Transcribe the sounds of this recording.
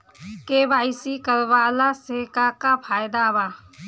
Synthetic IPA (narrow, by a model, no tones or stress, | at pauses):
keːbaːɪsikəɾʋaːlaseːkakapʰaːjd̪abaː